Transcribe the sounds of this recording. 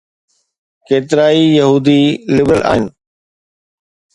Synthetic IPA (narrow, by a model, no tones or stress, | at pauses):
keːt̪ɪɾaːijɐɦuːd̪iːlɪbɾəlʔa̰ːɦɪnɪ